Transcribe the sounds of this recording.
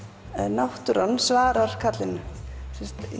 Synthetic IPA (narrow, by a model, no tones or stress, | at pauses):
nawht̪ʏɾanːsvaːɾaɾ̥kʰat̪lɪnʏsɛ̥st̪